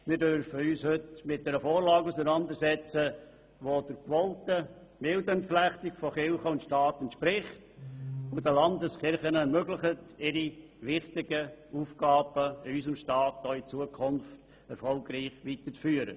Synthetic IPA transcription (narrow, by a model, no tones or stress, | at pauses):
mɪɾdøɾfəyːshʏtmɪt̚d̥ɛːɾəfoːɾlɑːɡusənɑnd̪əɾsɛt͡sə | ʋod̥əɾkʋɔltə | mɪldənpflæχtɪkfɔχɪlχəʊntʃtɑːtɛntʃpɾɪχtʊdəlɑndəsχɪɾχənəɛɾmøɡləχətɪɾi | ʋɪχtɪɡəuːfɡ̥ɑːb̥əɪysəmʃtɑːt̚doːɪt͡suəkʰʊnft | ɛ̰ɾfɔlɡɾiːχʋitəɾt͡sfyːəɾə̰